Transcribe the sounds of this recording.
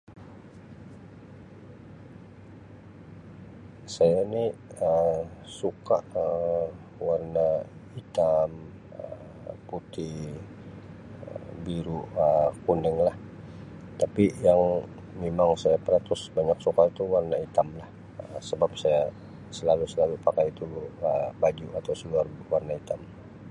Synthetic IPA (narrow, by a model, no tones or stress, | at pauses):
sajainiəsukaʔə | warnait̪am | ə | put̪i | əbiɾuəkunɛŋlah | t̪apijaŋ | memaŋsajapəɾat̪ʊsbaɲak̚sukait̪uwarnait̪amlah | əsəbap̚saja | səlalusəlalupakajit̪uəbad͡ʒuat̪awsəluarwarnait̪am